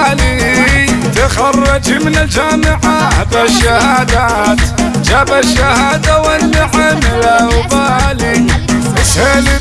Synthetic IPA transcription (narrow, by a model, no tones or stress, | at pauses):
li | t̪axɑrˤːɑd͡ʒmɪnald͡ʒaːmɪʕaab̪aʃːahaːd̪at̪d͡ʒabaʃːahaːd̪awanːɪʕamɪlaʊbaːli | shelɪ